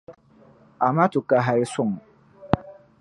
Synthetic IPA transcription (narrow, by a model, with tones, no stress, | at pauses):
a˨ma˦tu˨ka˨ɦa˨ɾi˦sʊ˦˨m˨